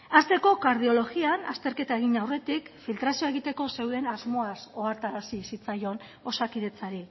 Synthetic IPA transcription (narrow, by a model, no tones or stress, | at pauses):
ast̪e̞ko̞kaɾð̞io̞lo̞ɣianast̪e̞ɾke̞t̪aeɣ̞inawre̞t̪ikfilt̪ɾasioe̞ɣ̞it̪e̞ko̞se̞wðe̞nazmo̞aso̞aɾt̪aɾasisit͡sajo̞n | o̞sakiðe̞t͡saɾi